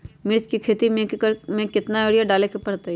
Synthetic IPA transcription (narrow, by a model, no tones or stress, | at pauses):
mɪɾskikʰeːt̪imẽkkɾmẽkɪt̪naeːɽjaɖaːlekepɐɽt̪a